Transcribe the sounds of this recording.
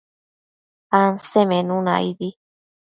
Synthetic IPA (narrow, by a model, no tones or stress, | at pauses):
ansemẽnũna̰idi